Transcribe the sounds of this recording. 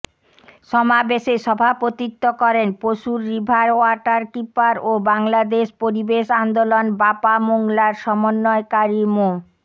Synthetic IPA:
ʃɔmabeʃeʃɔbʱapot̪it̪ːokɔɾenpoʃuɾːibʱaɾoaʈaɾkipaɾobaŋlad̪eʃpoɾibeʃand̪olonbapamoŋlaɾʃɔmonːɔekaɾimo

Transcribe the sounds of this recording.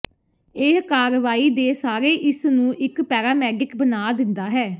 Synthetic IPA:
eɦkaːɾʋaːiːd̪eːsaːɾeːʔɪsnũːʔɪkpɛːɾaːmɛːɖɪkbənaːd̪ɪnd̪aːɦɛː

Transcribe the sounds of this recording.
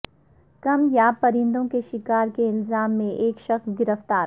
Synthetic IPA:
kɐmjapɐɾɪ̃nd̪õkeʃɪkaːɾkeɪlzaːmːẽʔeːkʃɐxsɡɪɾəft̪aːɾ

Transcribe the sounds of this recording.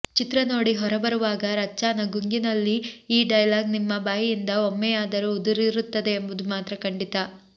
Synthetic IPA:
t͡ʃit̪ɾɐno̞ːɽiɦɔɾɐbɐɾuʋaːɡɐɾɐt͡ʃːaːnɐɡuŋɡinɐlːiːɖɐjɐlaːɡnimːɐbaːjijind̪ɐomːɛjaːd̪ɐɾuːd̪uɾiɾut̪ːɐd̪e̞ːmbud̪umaːt̪ɾɐkɐɳɖit̪ɐ

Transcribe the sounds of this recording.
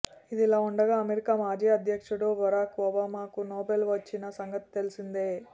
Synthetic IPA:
id̪ilaːuɳɖɐɡaːɐmeɾikaːmaːd͡ʒiːɐd̪ʱjɐkʂɐɽuʋɔɾaːkɐbaːmaːkunoːbelʋɐt͡ʃːinɐsɐŋɡɐt̪i̥t̪e̞lisind̪eː

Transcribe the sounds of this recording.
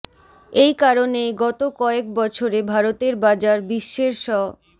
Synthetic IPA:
ejkaɾonejɡɔt̪okɔek̚bɔt͡ɕʰoɾebʱaɾot̪eɾbad͡ʑaɾbiʃːeɾʃɔ

